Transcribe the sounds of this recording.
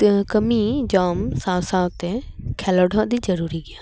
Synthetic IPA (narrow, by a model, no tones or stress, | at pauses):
t̪ɐ̃ɦkɐmid͡ʑaːmsãːsãt̪ekʰɛːləɖʱãd̪izɐɾuːɾiɡɪjãː